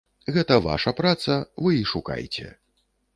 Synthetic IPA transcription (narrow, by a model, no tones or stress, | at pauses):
ɣɛt̪ɐva̰ʂɐpɾat̪sɐvɨiʂuka̰jt͡sʲɛ̰